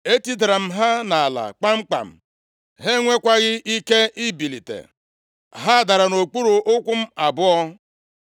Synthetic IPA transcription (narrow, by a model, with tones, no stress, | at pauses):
e˦ti˦dɾa˨m̩˦ɦa˦na˨a˨la̰˨k͡pa˦ŋ͡m̩˦k͡pa̰˨m̩˨ | ɦe˦ŋʷe˦kʷa˦ɣɪ˦i˦ke˦ʔi˦bi˨li˨tḛ˨ | ɦa˦˨da˨ɾa˨no˨k͡pu˦ɾu˨ʔʊ˦kʷʊ˦m̩˦a˨bʊ˦ɔ˦